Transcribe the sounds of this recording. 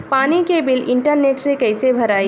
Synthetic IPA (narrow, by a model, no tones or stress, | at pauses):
panikebilɪɳʈəɾneːʈsekəɪsebʱəɾaːi